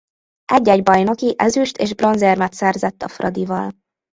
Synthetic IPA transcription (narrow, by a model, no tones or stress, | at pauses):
ʔɛɟːɛɟbɒjno̞kiʔɛzyʃt̪eːʒbro̞nzermɛt̪sɛrzɛt̪ːɒfrʔɒd̪ivɒl